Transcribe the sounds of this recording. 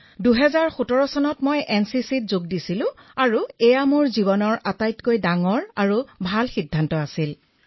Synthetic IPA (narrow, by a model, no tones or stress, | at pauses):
duɦɛzaɹxutɔɹɔsɔnɔtmojɛnsisit̚zoɡdisilʊ̃aɹuɛjamuɹziβɔnɔɹatajtkojdaŋɔɹaɹubʱalxidʱːantɔasil